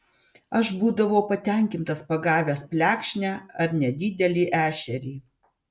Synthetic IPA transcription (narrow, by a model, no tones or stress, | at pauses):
ɐʃbuːd̪ɐʋoːpɐt̪ʲɛˑŋʲkʲɪnt̪ɐspɐɡɑːʋʲɛspʲlʲæːkʃʲnʲæːɐɾnʲɛd̪ʲɪːd̪ʲɛlʲiːʔæːʃʲɛɾʲiː